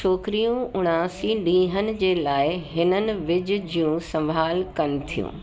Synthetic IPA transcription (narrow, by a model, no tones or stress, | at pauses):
oːkɾijũʊɽ̃aːsiɗĩːɦənɪ̆d͡ʑeːlaːɪɦɪnənɪ̆ʋɪd͡ʑʊ̆d͡ʑijũsɐ̃ʋʱaːlkɐnɪ̆t̪ʰijṵ̃ː